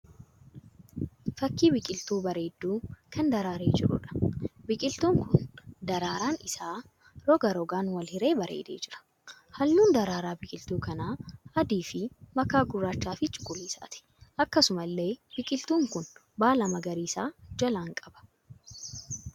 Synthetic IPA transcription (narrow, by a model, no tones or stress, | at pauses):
fɐkːiːbɪkʼɪlt̪uːbɐɾe̞ːd̪ːuːkʰɐnd̪ɐɾaːɾeːd͡ʒɪɾʊ̰ᶑɐ̥bɪkʼɪlt̪uːŋkʊnd̪ɐɾaːɾaːnɪsaː | ɾɔɡɐɾɔɡaːnwɐlhɪɾe̞ːbɐɾḛːd̪ḛːd͡ʒɪɾɐ̥ | hɐlːuːnd̪ɐɾaːɾaːbɪkʼɪlt̪uːkɐnaːɐd̪iːfɪmɐkaːɡʊrːaːt͡ʃːaːfɪt͡ʃʼʊ̥kʼːʊliːsa̰ːt̪ɪ̥ | ʔɐkːɐsʊmɐlːe̞ːb̥ɪkʼɪlt̪uːŋkʊn | baːlɐmɐɡɐɾiːsaːd͡ʒɐlaːŋkʼɐbɐ̥